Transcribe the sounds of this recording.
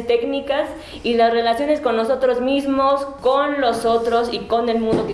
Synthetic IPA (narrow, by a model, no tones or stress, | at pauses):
t̪e̞knikas | ilasre̞lasjo̞ne̞sko̞nːo̞so̞t̪ɾo̞zmizmo̞skonlo̞so̞t̪ɾo̞siko̞ne̞lmũnd̪oke